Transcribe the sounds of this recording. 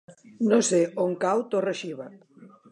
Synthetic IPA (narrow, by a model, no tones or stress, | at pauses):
noseʔoŋkawt̪oreʃiβa